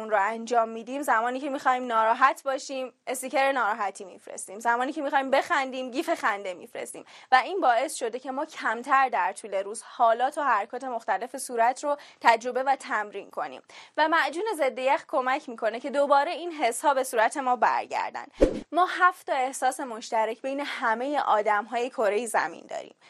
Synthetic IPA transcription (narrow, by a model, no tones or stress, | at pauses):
unɾoænd͡ʒɒːmːiːd̪iːmzæmɒːniːcʰe̞mixɒːhimnɒːɾɒːɦæt̪ʰbɒːʃiːmest̪iceɾenɒːɾɒːɦæt̪ʰiːmḭfɾḛst̪iːmzæmɒːniːcʰe̞mixɒːimbe̞xænd̪iːmɟiːfe̞xænd̪e̞mḭfɾe̞̰st̪ḭːmvæiːnbɒːe̞sʃo̞d̪e̞cʰe̞mɒːcʰæmt̪ʰæɾd̪æɾt̪ʰuːle̞ɾuːz̥hɒːlɒːt̪ʰɒhæɾkʰɒːt̪ʰe̞moxt̪æle̞fesuːɾæt̪ʰɾot̪ʰæd͡ʒɾo̞be̞væt̪ʰæmɾiːnkʰo̞̰nḭːmvæmæʔd͡ʒuːne̞zed̪ːe̞jæxkʰo̞mæcʰmiːkʰo̞necʰe̞d̪obɒːɾe̞iːnɦe̞shɒːbe̞suːɾæt̪ʰe̞mɒːbæ̰ɾɟæ̰ɾd̪æ̰nd̪̥mɒːɦæft̪ɒe̞hsɒːse̞mo̞ʃt̪æɾecʰbe̞jne̞hæme̞jeʔɒːd̪æmɦɒːjekʰo̞ɾe̞jezæ̰mḭnd̪ɒ̰ːɾḭːm